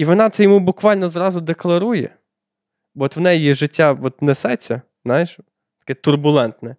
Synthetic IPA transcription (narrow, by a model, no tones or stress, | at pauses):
iʋɔnɑt̪sɛjɔmubʊkʋɑlʲnɔzrɑzʊd̪eklˠɐɾujɛ̰ | bɔt̪ʋnɛjjiʒɪtʲːaɔt̪nɛsɛt͡sʲːɐ | znɑjeʃ | t̪ɐ̥kɛt̪ʊrbʊlˠɛnt̪nɛ